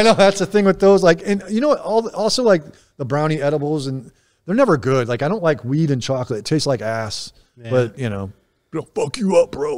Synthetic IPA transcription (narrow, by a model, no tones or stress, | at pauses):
ɪnoʊðætsɨθɪ̃ŋwɨðoʊzlaɪkɨ̃njɨnoʊɔlˠðʔɔlˠsoʊlaɪk̚ | ðəbɹãʊ̃ɾ̃iɛɾəbl̩ˠzɨ̃n | ðə˞nɛvə˞ɡʊd̥laɪkaɪɾõʊ̃nʔlaɪkwiɾɨ̃nt͡ʃʰɑklɨtʰeɪstslaɪkæs | b̥ʌt̚jɨñoʊ̥ | fʌkjɨʌp̚b̥ɹoʊ